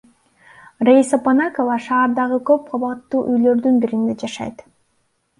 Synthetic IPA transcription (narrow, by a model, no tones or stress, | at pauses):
rejsaponakovɑʃɑːɾd̪ɑʁɯkø̞p̚qʰoβɑt̪ːuːʔyjlø̞ɾd̪ynbiɾind̪ed͡ʒɑʃɑ̰jt̪